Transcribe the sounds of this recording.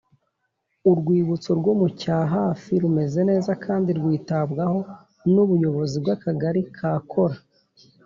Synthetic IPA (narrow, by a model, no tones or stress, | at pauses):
uɾɡwiːβut͡soɾɡomucaːɦaːfiɾume̞ze̞ne̞ːzakʰaːndiɾɡwiːtabɡaho̞ | nuβujo̞βo̞zib̚ɡakaɡaɾikʰaːkʰo̞ɾa